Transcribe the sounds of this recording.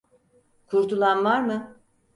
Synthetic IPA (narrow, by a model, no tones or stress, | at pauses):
kʰuɾt̪ʰulˠanvaɾmɯ